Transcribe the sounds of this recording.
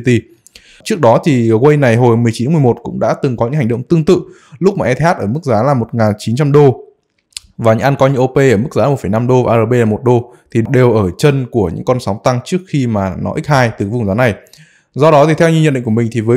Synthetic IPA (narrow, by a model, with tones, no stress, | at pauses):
t̪i˧ | t͡ɕɨ˦˥k̚ɗɔ˨˦t̪ʰi˨˩ɣwə˧jna˨˩jɦo˨˩jmɨ˨˩əjt͡ɕi˨˦tːa˨˦m˨˩mo˨˩t̚kʊ̰˧˥ŋ͡mɗa̰ː˧˥t̪ɨ˨˩ŋkɔ˨˦ɲɨ̰˧˥ŋhŋ̟ɗə̰˧˨wŋ͡mt̪ɨ˧əŋt̪ɨ̰˧˨ | lʊ˦˥k͡p̚maː˨ʔɛ˧t̪ʰaː˦˥t̚ʔəː˧˩mɨ˦˥k̚zaː˨˦laː˨˩mo˨˩t̚ŋaː˨˩nt͡ɕi˨˦nt͡ɕa˧mɗo˧ | vaː˨˩ɲɨ̰˧˥ŋʔa˧nkɔ˨˦ɲɨ̰˧˥ʔo˧pe˧ʔəː˧˩m˦˥k̚zaː˨˦a˨˩fə˧˩jna˧mɗo˧vaː˨˩ʔːəː˧ɓe˧laː˨˩mo˨˩t̚ɗo˧ | t̪ʰi˨˩ɗɗe˨˩wʔəː˧˩t͡ɕə˧nku˧˩əɲɨ̰˧˥ŋkɔ˧nsa˨˦wŋ͡mt̪a˧ŋt͡ɕɨ˦˥ək̚xi˧maː˨˩nɔ̰˨˦ʔï˦˥k̟̚haː˧jt̪ɨ˨˩vʊ˨˩ŋ͡mzaː˨˦na˨˩j | zɔ˧ɗɔ˨˦t̪ʰi˨˩t̪ʰɛ˧wɲɨ˧ɲə̰˧nɗḭ˧˨ŋku˧˩˨mï˨˩ŋ̟t̪ʰi˨˩vəː˨˦